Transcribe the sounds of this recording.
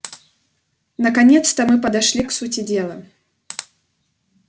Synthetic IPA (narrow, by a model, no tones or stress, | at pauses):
nɐkanʲɛt̪st̪ɐmɨpɐd̪aʂlʲiksut͡sʲid͡zʲɛlˠɐ